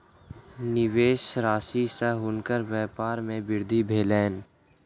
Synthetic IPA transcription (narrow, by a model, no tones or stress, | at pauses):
nɪʋeːʃɾaːsisaɦʊnkəɾʋɛːpaːɾmẽbɪɾd̪ʱibʱeːlɛːn